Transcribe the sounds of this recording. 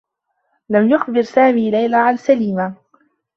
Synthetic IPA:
lamjʊxbɪɾsaːmiːlajlaʕansaliːma

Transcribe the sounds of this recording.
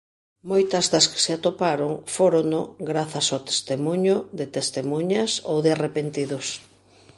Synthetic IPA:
mojt̪ɐzðɐskɪ̥seat̪opaɾoŋfoɾonʊɡɾaθɐsowt̪e̥st̪emuɲʊðɪt̪est̪emuɲaso̰wðɪarepent̪iðʊs

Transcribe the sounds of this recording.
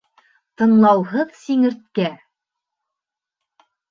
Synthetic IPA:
t̪ɤ̆nlˠɑwɦɤðsiŋɘ̆ɾt̪̚kæ

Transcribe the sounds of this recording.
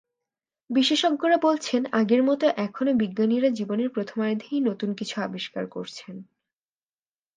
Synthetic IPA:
biʃeʃokːoɾabolt͡ɕʰenaɡeɾmɔt̪oʔɛkʰonobiɡːaniɾad͡ʑiboneɾpɾot̪ʰomaɾd̪ʱeejnot̪unkit͡ɕʰuabiʃka̰ɾkoɾt͡ɕʰen

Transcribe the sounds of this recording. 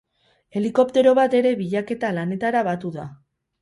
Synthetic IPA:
e̞liko̞p̚t̪e̞ɾo̞βat̪e̞ɾe̞βiʎake̞t̪alane̞t̪aɾaβat̪uða

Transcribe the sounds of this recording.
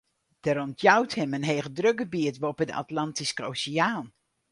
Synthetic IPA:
d̥əɾɔntʰjawthɪmənɦejɣədrøɡəbiətʋopədəʔa̰tlɑntisko̰wsijaːn

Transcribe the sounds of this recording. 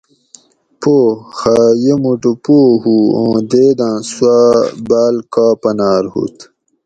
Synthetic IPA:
poːxaːjemuɖupoːhuõːd̪eːd̪ãːswabaːlkaːpɐnaːɾhṵt̪

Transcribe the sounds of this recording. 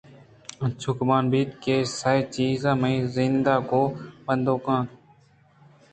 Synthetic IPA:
ət͡ʃʰʊkmaːnbiːt̪keːsaːiːt͡ʃiːzãːmẽːzɪnd̪aːkoːbənd̪ʱoːkãːt̪

